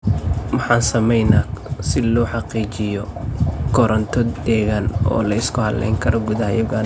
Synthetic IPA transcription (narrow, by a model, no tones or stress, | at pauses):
mɑħɑːnsɐmɛjnaːsɪlɔːħɑqiːt͡ʃɪjɔkʰɔɾɔnt̪ʰɔd̪ɛːɣaːnɔ̰ːlɐɪskʰʊhɐllɛ̰jŋkʰɐɾɔɡʊðɐɦɐjɐɣan